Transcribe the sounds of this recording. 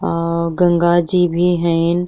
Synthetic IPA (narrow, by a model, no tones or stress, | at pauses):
ɡɐ̃ŋɡad͡ʑibʱiɦə̃n